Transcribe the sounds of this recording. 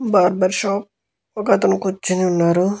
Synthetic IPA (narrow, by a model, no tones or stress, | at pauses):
baːɾbɐɾʃaːp̚ | ɔkɐt̪ɐnukut͡ʃːiniunːaːɾu